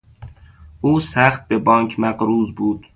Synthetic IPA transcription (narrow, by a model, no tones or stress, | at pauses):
ʔuːsæχt̪̚bebɒːŋkʰmæɡɾuːzbuːd̪̥